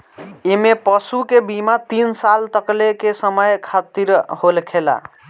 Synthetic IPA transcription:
emepəsukebimat̪insalt̪əklekesəməjkʰat̪iɾholkʰela̰

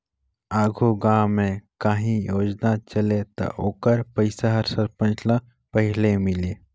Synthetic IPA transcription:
aːɡʱuɡaːmːẽkaːɦĩjoːd͡ʒnat͡ʃəlet̪ɐ̰ʔoːkəɾpəɪsaɦəɾsəɾpə̃nt͡ʃla | pəɦɪlemɪleː

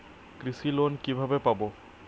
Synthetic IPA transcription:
kɾisilonkibʱabepabo

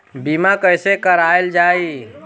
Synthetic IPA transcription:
bimakəɪsekəɾaːjeld͡ʒaːi

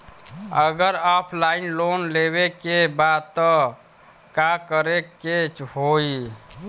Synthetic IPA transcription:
əɡəɾapʰlainlonleβekebad̪̚t̪ɔ | kakəɾekːet͡ʃhoi

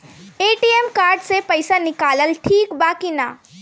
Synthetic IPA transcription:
eːʈiemkaːɾɖsepɐɪsanɪkaːləlʈʰiːkbaːkina

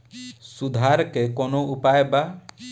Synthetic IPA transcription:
sud̪ʱaɾkekɔnoʔupajba

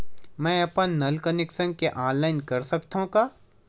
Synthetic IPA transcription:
mɛ̃ːɐpənnɐlkənɪksə̃ŋɡ̚keʔãːnlaːɪnkɐɾsɐkt̪aɦũkaː

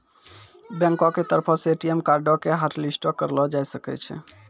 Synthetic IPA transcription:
bɛ̃ŋkɔket̪əɾpʰɔseeʈiemkaɾɖɔkeɦaʈlisʈɔkəɾlɔd͡ʒajsəkɛ̰t͡ʃʰɛ̰

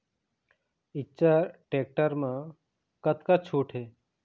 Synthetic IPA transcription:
ɪtːt͡ʃaʈeːk̚ʈəɾmã | kət̪kat͡ʃʰuːʈʰɦeː

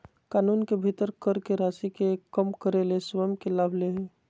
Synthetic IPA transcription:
kaːnuːnkebʱit̪əɾkəɾkeɾaːsikekəmkəɾelesʋəmkelaːbʱleɦi

